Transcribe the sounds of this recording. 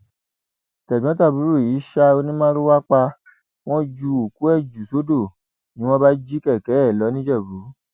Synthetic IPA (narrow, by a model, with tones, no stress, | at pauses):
tɛ˨bĩ˨˦ɔ̃˦ta˦˨bu˨˦ɾu˦˨ji˨˦ʃa˧o˧nĩ˦mã˦ɾu˦wa˦k͡pa˧ | w̃ɔ̃˦d͡ʒu˧o˨ku˨˦ɛ˦˨d͡ʒu˨so˨˦do˦˨ | nĩ˦w̃ɔ̃˦ba˦d͡ʒi˦kɛ˦˨kɛ˨˦ɛ˦˨lɔ˨˧˦nĩ˦d͡ʒɛ˦˨bu˨˦